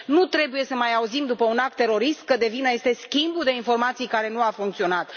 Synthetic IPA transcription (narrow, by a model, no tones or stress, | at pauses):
nut̪ɾe̞buje̞səmajauzimd̪upəunak̚t̪ːe̞ɾo̞ɾist̪̚kəd̪e̞vinəje̞st̪e̞skʲimbud̪e̞info̞rmat̪sijkaɾe̞nuafuŋkt̪sio̞nat̪